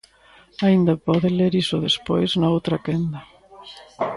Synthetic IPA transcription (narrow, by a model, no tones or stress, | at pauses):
aind̪ɐpɔðɪleɾisʊðespojznɐowt̪ɾɐkend̪ɐ